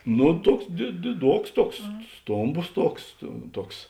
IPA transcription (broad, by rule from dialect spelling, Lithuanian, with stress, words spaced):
ˈnʊ ˈtuɔks dʲɪ dʲɪˈduɔks ˈtuɔks ˈstoːmˌboːs ˈtuɔks tʊ ˈtuɔks